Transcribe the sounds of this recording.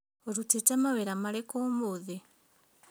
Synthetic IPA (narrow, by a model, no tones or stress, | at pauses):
oɾutetamaβeɾamalekomuðe